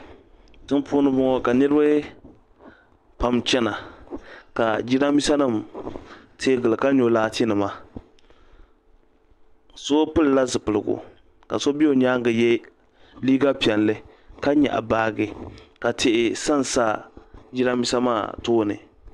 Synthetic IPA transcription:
tɨ˦npʰʊː˦nɨ˦bʊ˦ŋɔ˦ka˨nɨ˦ɾɨ˦bɨ˦ | pa˨mt͡ʃɛ˦na˨ | ka˨d͡ʒi˦ɾa˦mi˦sa˦nɨ˦˨m | tʰe˦ɡɨ˨lɨ˨ka˦ɲo˨laː˦tɪ˦nɨ˨ma˦ | so˦pɨ˦lla˦zɨ˨pɨ˨lɨ˨ɡʊ̰˨ | ka̰˨so˦bi˦o˨ɲaː˦ŋɡɨ˨jɛ˦ | liː˦ɡa˦pi˨ɛ˨nlɨ˦ | ka˦ɲɛ̰˨ʔa̰˨baː˦ɡɨ˨ka˨tʰɪ˨ʔɪ˨sa˦n˨saː˦d͡ʒi˦ɾa˦mi˦sa˦ma̰ː˦˨toː˦nɨ̰˨

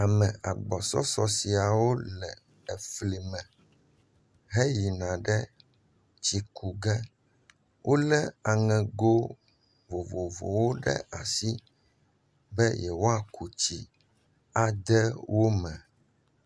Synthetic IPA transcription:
a˨mɛ̃˨a˨ɡ͡bɔ˨sɔ̰˦sɔ˨˦si˨a˨wo˦lɛ˨ | ɛ˨fli˨mɛ̃˨ | ɦe˦ji˨nã˨ɖɛ˦ | t͡ɕi˨kʰu˨ɡɛ˦ | wʔo˦lɛ˦a˨ŋɛ̃˨ɡo˦ | vo˨vo˨vo̰˨wo˦ɖɛ̰˦a˨si˦ | bɛ˦jɛ˨wo˦a˨kʰu˨t͡ɕi˨ | a˨d̪ɛ˦wʔo˦mɛ̃˨

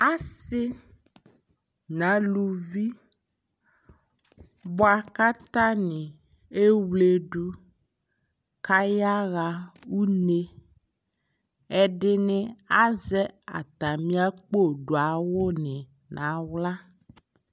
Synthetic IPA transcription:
a˦sɪ˦ | nã˨˦lu˨vi˦ | bɔ˦a˨ka˦t̪a˦nẽ˨ | e˦wle˨ɖu˦ | ka˦ja˦ɣa˨wu˦ne˦ | e˦ɖe˦nẽ˨a˦zɛ˦a̰˨t̪a˨mĩ˦a˦k͡po˦ɖo˨a˨wo˦nẽ˨ | nʔã˨˦wla˦

